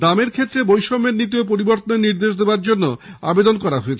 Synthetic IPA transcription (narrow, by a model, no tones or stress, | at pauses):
d̪ameɾkʰet̪ːɾebojʃomːeɾnit̪̬iop̬oɾiboɾt̪oneniɾd̪eʃd̪eoaɾd͡ʑonːoa̰bed̪onkɔɾaɦoet͡ɕʰe